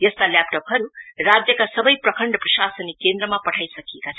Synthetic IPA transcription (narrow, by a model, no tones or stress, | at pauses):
jʌst̪aljap̚ʈopɦʌɾurad͡zjʌkasʌbʌjprʌkʰʌɳɖʌprʌʃasʌnikend̪ɾʌmapʌʈʰajsʌkiekat͡sʰʌ